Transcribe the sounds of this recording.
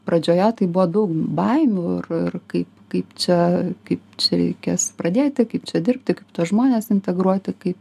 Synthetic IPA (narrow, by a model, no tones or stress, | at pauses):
pɾɐd͡ʒʲoːjɛt̪ɐɪbʊʋɔd̪ɐʊkbɐɪmʲuːɪrɪrkɐɪpkɐɪpt͡ʃʲɛkɐɪpt͡ʃʲɛɾʲɛ̰ɪkʲeːspɾɐd̪ʲeːt̪ʲɪkɐɪpt͡ʃʲɛd̪ʲɪrʲp̚ʲt̪ʲɪkɐɪpt̪uɔsʒmoːnʲeːsɪnʲt̪ʲɛɡɾuɔt̪ʲɪkɐɪp